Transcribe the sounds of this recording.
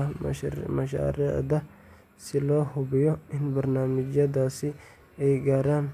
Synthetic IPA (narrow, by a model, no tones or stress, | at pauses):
mɐʃa̰ːɾɪ̰ʕd̪ɐ | sɪlɔːɦʊbɪjɔʔɪnbɐɾnaːmɪd͡ʒɐd̪aːsɪ | ɛjɡaːɾaːn